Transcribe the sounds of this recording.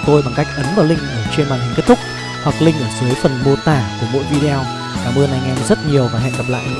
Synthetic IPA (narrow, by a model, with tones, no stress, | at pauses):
t̪o˧jɓa˨˩ŋka˦˥jk̟̚ʔə˨˦nvaː˨˩wlŋ̟ʔəː˧˩t͡ɕe˧nmaː˨˩nhï˨˩ŋ̟ke˦˥t̚t̪ʰʊ˥k͡p̚ | hwa˨˩k̚lï˧ŋ̟ʔəː˧˩zɨ˨˦jfə˨˩nmo˧˩t̪aː˧˩vəː˧˩jmo̰˧˥jvi˧ɗe˧ɔ˧w | kaː˧˩mə˧na˨˧˩jŋɛ˧nzə˦˥t̚ɲi˨˩əwvaː˨˩ɦɛ̰˧˨nkə˨˩p̚la̰ː˧˨jʔ